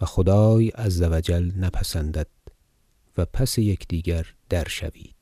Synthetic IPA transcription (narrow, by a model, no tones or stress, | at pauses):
væxod̪ɒːjæzːævæd͡ʒælnæpʰæsænd̪æd̪̥̚ | væpʰæsejekʰd̪̥iːɡæɾd̪̥æɾʃæ̰vḭːd̪̥̚